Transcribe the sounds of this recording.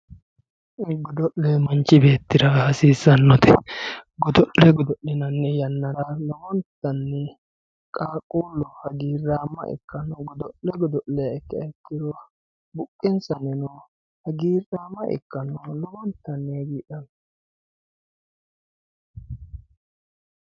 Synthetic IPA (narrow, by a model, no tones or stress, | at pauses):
ɡɔd̪ɔʔlɛmɐnt͡ʃːɪbe̞ːt̪ːɪɾɐhɐsiːzɐnːɔt̪ɛɡɔd̪ɔʔlɛɡɔd̪ɔʔɛnɐnːɛjɐnːɐɾɐlɔɡɔnt̪ːɐnːɛ | kʼaːkʼuːlɔhɐɡiːrːaːmːɐ̰ʔɛ̰kːɐnɔɡɔd̪ɔʔlɛɡɔd̪ɔʔlːɛjɐɛkːɐɛkːɪd̪ɔ | bʊkʼːɪnsɐnɛnɔ | hɐɡiːraːmɐʔɛ̰kːɐnɔlɔɡɔnt̪ːɐnːɛɡiːᶑɐnɔ